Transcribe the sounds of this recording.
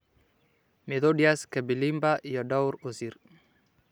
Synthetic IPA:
meðodjaskebilimbaʔiɔdawɾusiɾ

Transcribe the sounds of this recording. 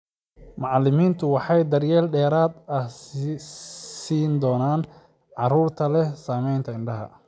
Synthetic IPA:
mɑʕɑlːɪmiːnt̪ʰʊwɑħɑjd̪ɐrjɛːlɖɛːɾaːd̪ɐ | siːnd̪ɔːnaːn | ʕɑruːrt̪ʰɐlɛhsaːmɛjnt̪ʰɐɪɳɖɐɦɐ̰

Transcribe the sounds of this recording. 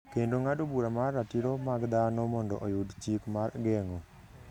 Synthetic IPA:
kendoŋadobuɾamarːatiɾomaɡd̪anɔmɔndɔ̰ʔojudt͡ʃikmarɡɛŋo

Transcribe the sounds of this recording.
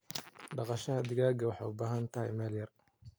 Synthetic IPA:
ɖɑqɑʃɐhɐd̪ɪɣaːɡɐwɑħɑ̰ʊbaːɦɐnt̪ʰɐɦɛjmɛːljɐr

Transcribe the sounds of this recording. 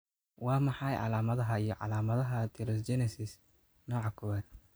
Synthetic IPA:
wɑːmɑħɑjʕɑ̰laːmɐðɐɦɐijɞʕɑ̰laːmɐðɐɦɐt̪ʰɪɾɛst͡ʃɛnɛsɪs | nɔːʕɑkʰʊwɛn

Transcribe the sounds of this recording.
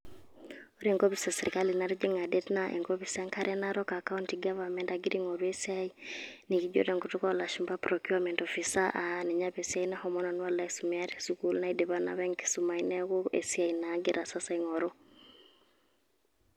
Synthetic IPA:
ɔɾiŋɡɔbisɛsɛɾikalinaɾid͡ʒeŋadɛtnaʔɛ̰ŋɡɔβisaŋkʰaɾʔɛnaɾɔkakauntiɡavamɛndaɡiɾiŋɔɾuɛsiainikid͡ʒɔ̰ɾɛŋɡutukalaʃumbapɾɔkuamɛntɔfisaʔanɛɲaβɛsiainɛhɔmɔnanwalaisumɛaɾɛsukulnaidɛβana̰βɛŋki̥sumainɛɣɔɛ̰siainaɡiɾʔasasaiŋɔɾɔ

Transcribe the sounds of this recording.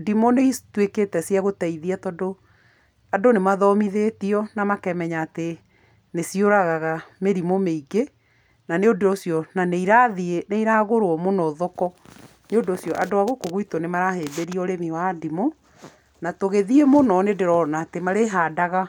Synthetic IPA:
dimoneitweketɛsiaɣotɛiðiatɔdo | adonemaðɔmiðeːtiɔnamakɛmɛɲaːte | nesioɾaɣaɣameɾimomeiɡe | naneodoosjɔnaneiɾaðieneiɾaɣoɾoɔmonɔðɔkɔ | neodoosjɔʔadoaɣokoɣuitonemaɾaɦeːbeɾiɔɾemiwadimo | natoɣeðiemonɔnedeɾɔnaːtemaɾeɦadaɣa

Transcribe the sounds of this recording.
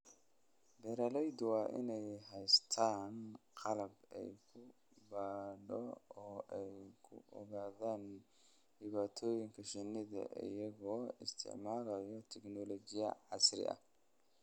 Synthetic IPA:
dɛɾɐlɛjd̪wɑːʔɪ̰nɛjɦɛjst̪ʰaːnqɑlɐbɛ̰jkʰʊ | baːɖɔɔːʔɛjkʰʊ̰ʔɔ̰ɣaːðaːn | ɖɪβaːt̪ʰɔːjɪŋkʰɐʃɛnːɪðɐ̰ʔɪ̰jɐɣɔːɪst̪ʰɪ̰ʕmaːlɐjɔt̪ʰɛknɔlɔt͡ʃɪjɐ̰ʕɑsrɪ̰ʔɐ̰

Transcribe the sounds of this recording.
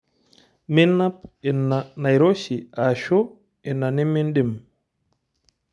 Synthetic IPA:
minːap̚ɛnanajɾoʃiʔaʃo | ɛnːanimindim

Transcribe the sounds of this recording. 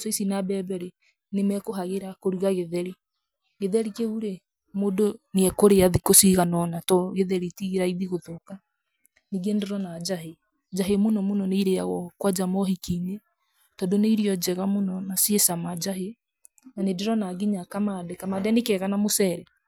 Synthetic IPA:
sɔisinabɛbɛɾe | nemɛkoɦaɣeɾakoɾuɣaɣeðɛɾi | ɣeðɛɾikeuɾe | moːdoneɛkoɾeaðikosiɣanɔnatɔɣeðɛɾitiɣeɾaiðiɣoðoka | neɣendeɾɔnad͡ʒaɦe | d͡ʒaɦemonɔmonɔneiɾeaɣɔkwad͡ʒamɔɦikine | tɔdoneiɾiɔd͡ʒɛɣamonɔnasiesamad͡ʒaɦe | nanedeɾɔnaɡiɲakamadɛkamadɛnekɛɣanamosɛɾɛ

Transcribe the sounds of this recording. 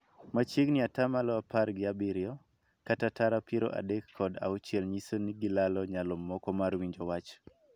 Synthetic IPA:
mat͡ʃeɡnɪatamalɔaparɡɪabɪɾjɔ | katataɾapiɾo̰ʔa̰dekʰːɔda̰ut͡ʃjɛlɲisoniɡɪlalɔɲalɔmːɔkɔmarwiɲd͡ʒɔwat͡ʃ

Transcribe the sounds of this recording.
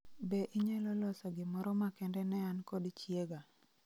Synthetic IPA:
beʔiɲalɔlɔsaɡɪmɔɾɔmakɛndɛnɛankɔdit͡ʃjeɡa

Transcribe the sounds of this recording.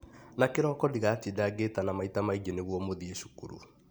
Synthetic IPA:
nakeɾɔkɔdiɣaːtidaɡetanamaitamaiɲeneɣwɔmoðieʃu̥kṵɾṵ

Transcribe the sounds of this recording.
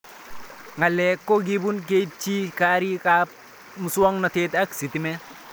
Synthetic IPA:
ŋɡalekːoɡibunk̬et̚t͡ʃikaɾikap | musuwɔŋnɔt̪et̪aksit̪ime

